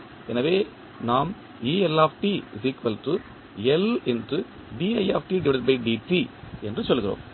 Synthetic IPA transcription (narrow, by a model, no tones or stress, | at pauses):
ɛnɐʋeː | naːm | iːɛlaːfʈisiːkʋɐltrɯ | ɛlɛndrɯ | ɖiːɐjaːfʈiɖɪʋɪɽɐtbɐɪʈ̚ɖiːʈːiɛndrɯsɔlːɯɣɪro̰ːm